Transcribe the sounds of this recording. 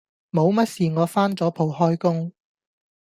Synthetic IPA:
mo˨˧wmɐ˥t̚siː˨ŋɔː˨˧faː˥nt͡sɔː˨˥pʰo˨˧whɔː˥jkʊ˥ŋ

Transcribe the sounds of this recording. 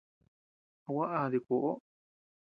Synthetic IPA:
a˧wa˦ʔa˦˧ði˧ko˨ʔo˦

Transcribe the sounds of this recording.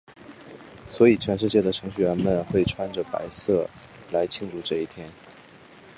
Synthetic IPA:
swɔ˧˥i˨˩t͡ɕʰɥɛ˧˥nʂ̬ɻ̩˥˧t͡ɕjɛ˥˩d̪ə˩ʈ͡ʂʰɤ˧˥ŋɕy˥˩ɥɛ˧˥nmə˨nxwe˥˩ɪʈ͡ʂʰwa˥nʈ͡ʂə˩pa̰˧˥ɪsɤ˥˩ | la˧˥ɪt͡ɕʰi˥˧ŋʈ͡ʂu˥˧ʈ͡ʂɤ˥˧i˥˩t̪ʰjɛ˥n

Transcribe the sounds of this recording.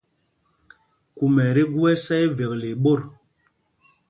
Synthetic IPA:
ku˨mɛ˨ɾi˦ɡu˦ɛ˦sɛ˦i˦ve˨k̚le˨ɓo˦˨ɾ

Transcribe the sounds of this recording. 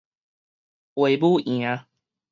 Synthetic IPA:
we˨˩ɪbu˥˦ĩ˨a˦

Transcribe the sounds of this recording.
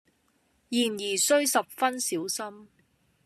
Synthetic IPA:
jiː˨˩njiː˨˩sɵ˥ɥsɐ˨p̚fɐ˥nsiː˨˥wsɐ˥m

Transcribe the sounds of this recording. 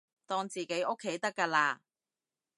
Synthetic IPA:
t̪ɔː˧ŋt͡siː˨˩ke˨˥jʔo˥kʰːe˨˥jt̪ɐ˥kːaː˧laː˧

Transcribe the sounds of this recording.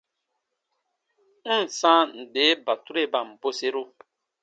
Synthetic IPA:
n̩˦˨sã˦n̩˨de˨˦ba˨tu˦ɾe˦˨ba˨m̩˨bo˦se˦ɾu˦

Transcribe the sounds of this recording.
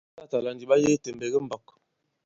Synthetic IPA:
ta˦˨ta˨la˨ndi˨ɓa˦je˦te˨mbe˨ɡə˦m̩˦bɔ˨k

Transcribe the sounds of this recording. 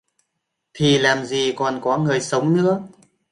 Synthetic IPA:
t̪ʰi˨˩laː˨˩mzi˨˩kɔ˨˩nkɔ˨˦ŋɨ˨˩əjsə˨˦wŋ͡mnɨ̰˧˥ə

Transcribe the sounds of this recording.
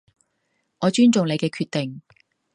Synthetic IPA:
ŋɔː˨˧t͡ʃyː˥nt͡sʊ˨ŋle˨˧jkɛː˧kʰyː˧t̪ɪ˨˩ŋ

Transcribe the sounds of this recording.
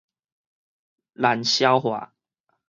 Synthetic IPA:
la˨˦nɕjɑ˦ʊxwa̰˨˩˦

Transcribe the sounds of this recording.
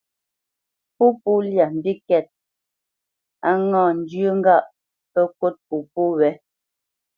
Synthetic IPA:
pu˦pu˦lja˨m̩˨bi˦kɛ˦˨t̚ | a˦ŋɔ̃ː˨n̩˨djə˦ŋ̩˦ɡa˦˨ʔ | pɛ˦ko˦t̚pu˨pu˦wɛ˨˦

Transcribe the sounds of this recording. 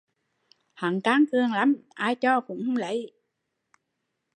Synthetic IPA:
ha˨˩˦ŋkaː˨˦˥ŋkɨ˧əŋla˨˦˥mʔaː˧˩jt͡ɕɔ˧kʊ̰˧˥ŋ͡mhŋ͡mlə̰˧˩˦j

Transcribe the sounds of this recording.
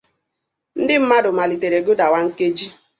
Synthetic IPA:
n̩˦dɪ˦m̩˦ma˦dʊ˨ma˨li˨te˨ɾe˨ɡo˦da˨wa˦ŋ̩˦ke˦d͡ʒi˦

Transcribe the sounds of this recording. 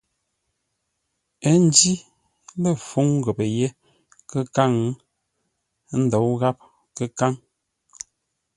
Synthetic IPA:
ə˦n̩˦di˦ | lə˦˨fu˦ŋ˦ɣə˨pə˨je˦ | kə˦ka˦˨ŋ˦ | n̩˦dɔ˨˦wɣa˦p̚ | kə˦ka˦ŋ

